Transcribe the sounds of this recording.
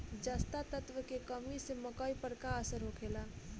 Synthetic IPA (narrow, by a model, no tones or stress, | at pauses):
d͡ʒaːst̪at̪ət̪wəkekəmiseməkəipəɾkaəsəɾɦokʰeːlaː